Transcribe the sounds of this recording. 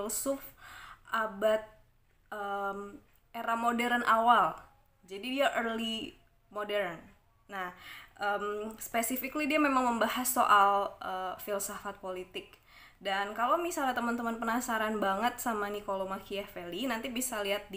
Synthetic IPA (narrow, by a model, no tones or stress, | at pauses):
lsʊfʔabat̪̚ | əm | eɾamodɛɾənʔawal | d͡ʒadidiaʔərli | modɛɾn | nahʔəmspesifɪklidiamemaŋməmbahasːoʔalʔəfilsafat̪̚polit̪ɪk̚ | dankalamisalat̪əmənt̪əmanpənasaɾanbaŋət̪̚samanikolomakiɛfelinant̪ibisaliɦat̪̚d